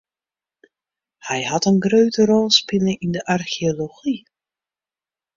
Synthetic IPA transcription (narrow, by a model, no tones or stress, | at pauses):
hɛjɦɑtənɡrøɥtəɾɔlˠspɪləɪndəʔɑrχioloχi